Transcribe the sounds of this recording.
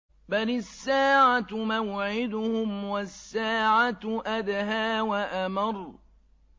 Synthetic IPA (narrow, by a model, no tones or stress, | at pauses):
balɪsːaːʕat̪mawʕɪd̪ʊhʊmwasːaːʕat̪ʔad̪ɦaːwaʔamɑɾˤ